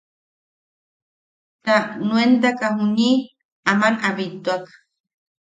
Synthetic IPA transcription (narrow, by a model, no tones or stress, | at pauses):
t̪anwent̪̬akaɦuɲi | amanaβit̪uak